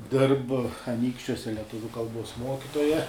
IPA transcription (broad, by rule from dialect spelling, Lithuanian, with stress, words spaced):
ˈdʲɪrp ɐˈnʲiːkʃʲt͡ʃʲuɔsʲɛ lʲɛˈtʊʋʲʊ kɐlˠˈbuɔs ˈmoːkʲɪtoːjɛ